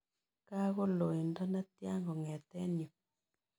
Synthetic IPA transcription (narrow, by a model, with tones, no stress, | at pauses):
ka˦ɣo˦lo˨i˨ndɔ˦na˦tja˦ŋɡɔ˨ŋɛ˨tɛ˦njo˨